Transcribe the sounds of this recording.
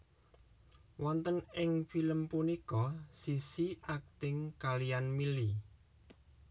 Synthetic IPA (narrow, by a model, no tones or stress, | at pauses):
wɔnt̪ənɪŋfiləmpunikɔsisiʔak̚t̪ɪŋkalijanmili